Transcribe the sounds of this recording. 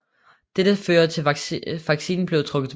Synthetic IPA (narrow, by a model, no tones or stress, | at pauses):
d̥ed̥əføːɐt͡sʰeʋɑ̈ɡ̥sḭːn̩b̥le̝ʊt͡sʰʁɔ̽ɡ̥ð̩ˠ